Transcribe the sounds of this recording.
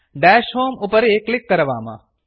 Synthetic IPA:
ɖɛːʃɦoːmʊpəɾeklɪkːɐɾʋa̰ːmã̰

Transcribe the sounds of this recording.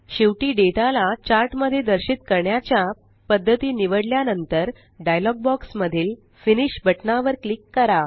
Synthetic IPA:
ɕiʋʈiːɖeʈalat͡ɕaɾʈməd̪ʱːjed̪əɾɕit̪kəɾɳjat͡ɕja | pəd̪ʱːət̪iːniʋəɽljanənt̪əɾ | ɖajlɔɡ̚bɔksməd̪ʱiːl | finiɕbʱəʈnaʋəɾklikːəɾa

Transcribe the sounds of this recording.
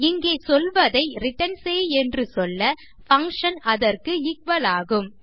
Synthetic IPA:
ɪŋɡeːsɔlʋɐðɐɪɾɪʈɐnseːɛndrɯsɔlːɐ | fɐŋkʂɐnɐðɐrkɯɪkʋɐlaːɣɯm

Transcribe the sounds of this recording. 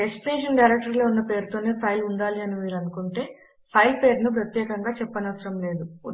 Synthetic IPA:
espineːʂɐnɖɐjɾek̚ʈɐɾlo̞unːɐpe̞ːɾut̪o̞ːne̞ːpʰɐjluɳɖaːliɐnimiːɾɐnukuɳʈe̞ː | pʰɐjlpe̞ːɾnup̬ɾɐt̪jɛːkɐŋɡaːt͡ʃɛpːɐnɐʋɐsɐɾɐmle̞ːd̪u

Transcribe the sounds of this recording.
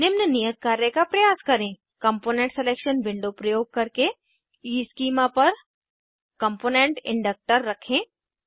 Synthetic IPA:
nɪmnənijət̪̚kaːɾjəkapɾɐjaːskɐɾẽː | kɐ̃mpoːnẽɳʈseleːkʃənʋɪ̃ɳɖopɾɐjoːɡ̚kɐɾke | iːskiːmapɐɾ | kɐ̃mpoːnẽɳʈɪ̰̃ɳɖək̚ʈəɾːɐkʰẽː

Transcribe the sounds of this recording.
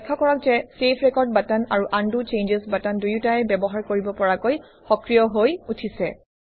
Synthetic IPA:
ɛkʰːakɔɹɔk̚zɛsepʰɹɛkɔɹd̚batanaɹuʔandut͡ʃend͡ʒesbatandujutaɛbɛbɔɦaɹkoɹibɔpɔɹakoj | xɔkɹijɔɦojutʰisɛ

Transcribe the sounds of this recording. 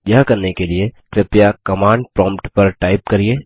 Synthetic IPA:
jɐɦkɐɾnekeliekɾɪpjakɐmãːɳɖpɾɔ̃ːmpʈpɐɾʈaːɪp̚kɐɾieː

